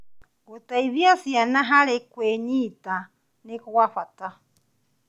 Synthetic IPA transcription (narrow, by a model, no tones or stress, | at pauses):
ɡut̪aiβiasianaɦaɾɛkʷweɲita | nekowaɸat̪a